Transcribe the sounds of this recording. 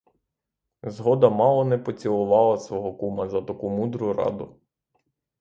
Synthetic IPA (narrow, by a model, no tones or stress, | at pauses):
zɦɔd̪ɐmɑlˠɔnɛpɔt͡sʲilˠʊʋɑlˠɐsʋɔɦɔkumɐzɐt̪ɐkumud̪ɾʊɾɑ̰d̪ʊ